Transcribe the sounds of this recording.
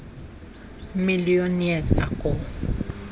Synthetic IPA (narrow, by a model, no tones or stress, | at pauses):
milionjɛza̰kʼɔ